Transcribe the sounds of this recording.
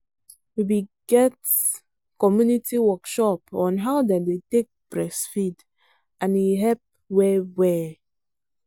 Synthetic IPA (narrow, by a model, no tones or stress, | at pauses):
wibiɡɛt | kɔmjunitiwɔkʃɔpɔ̃nɦaʊdɛdetek̚bɹɛsfid | ʔãnwiɦɛp̚ | wɛwɛ